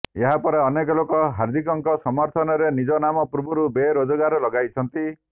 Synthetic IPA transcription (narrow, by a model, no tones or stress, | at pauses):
eɦapɔɾeɔnekɔlokɔɦaɾd̪ʱikɔŋkɔsɔmɔɾt̪ʰɔnɔɾenid͡ʒɔnamɔpɾubuɾubeɾod͡ʒɔɡaɾɔlɔɡajt͡ʃʰɔnt̪i